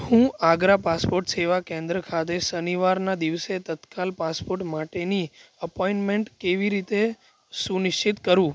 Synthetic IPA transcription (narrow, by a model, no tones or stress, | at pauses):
hũaɡɾapaspoɾʈseʋakẽnd̪ɾəkʰat̪̬esəniʋaɾnad̪iʋset̪ət̪kalpaspoɾʈmaʈeniəpoiɳʈmeɳʈkeʋiɾit̪e | sunɪʃt͡ʃit̪kəɾũ